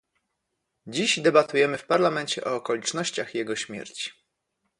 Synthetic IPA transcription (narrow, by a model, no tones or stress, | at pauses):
d͡ʑiʑd̪ɛbat̪ujɛmɘfpaɾlamɛɲt͡ɕɛʔɔːkɔlʲit͡ʂnɔɕt͡ɕaxjɛɡɔɕmʲjɛ̰ɾt͡ɕi̥